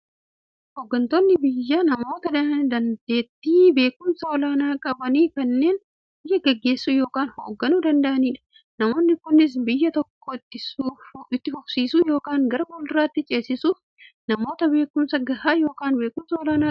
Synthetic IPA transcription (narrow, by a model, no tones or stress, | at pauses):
hoːɡːɐnt̪oːnːɪbɪjːɐnɐmo̞ːt̪ɐd̪d̪ɐnd̪e̞ːt̪ːiːbe̞ːkʊmsɐɔlaːnaːkʼɐbɐniːkɐnːe̞ːn | bɪjːɐɡɐɡːe̞ːsːuːjo̞ːkaːnho̰ːɡːɐnuːd̪ɐnd̪ɐʔɐniːᶑɐ̥ | nɐmo̞ːnːɪkʊnːɪs̬bɪjːɐt̪ɔkːoːt̪ːɪuɪt̪ːɪfɔksiːsuːjo̞ːkaːŋɡɐɾɐɡɔlraːɪt̪ːɪt͡ʃʼe̞ːsɪsuːf | nɐmo̞ːt̪ɐbe̞ːkʊmsɐɡɐhaːjo̞ːkaːnbe̞ːkʊmsɐɔlaːnaː